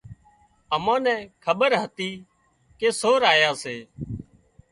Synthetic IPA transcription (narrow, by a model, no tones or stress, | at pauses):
əmãːnɛ̃ːkʰəɓəɾɦət̪iː | keːsoːɾaːjaːseː